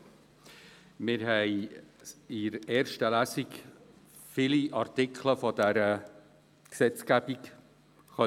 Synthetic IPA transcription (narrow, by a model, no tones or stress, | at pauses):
mɪɾɦɛɪ | ɪɾɛːɾʃtəlæsik | filiʔɑɾtɪkʰləfɔdæɾə | ksɛt͡skæbik | χœ